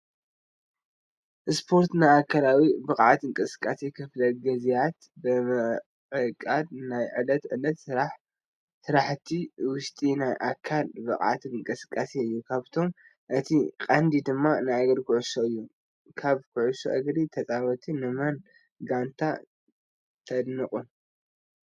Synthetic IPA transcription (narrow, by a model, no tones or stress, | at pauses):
ʔɨspʰo̞ɾt̪najakʰːalawibɨχʼʕat̪ɨŋkʼɨsɨ̥kʼːasikʰɨflɐt̪̚ɡɐzijat̪bɨmɨ | ʕɨkʼad̪̚najʕɨ̰lɐt̪ʕɨ̰lɐt̪sɨɾaħ | sɨɾaħt̪ʰiwʊʃt̪ʼinajʔakʰːalbɨχʼʕa̰t̪ʰɨŋkʼɨsɨ̥kʼːasiɨjːukʰaβt̪ʰo̞m | ʔɨt̪ʰikʼɐnd̪id̪ɨmːanajaɡɾkʰʊʕusoɨjːu | kʰaβkʰuʕusoʔɐɡɾit̪ʰɐt͡sʼawɐt̪ʰinɨmɐn | ɡant̪ʰa̰ | t̪ʰɐd̪nɨkʼun